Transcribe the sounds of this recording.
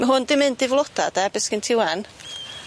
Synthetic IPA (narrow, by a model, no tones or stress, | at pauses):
maɦʊndɪmɪndɪvlˠɔda̰d̥ɛbɪskɪntʰɪwɛn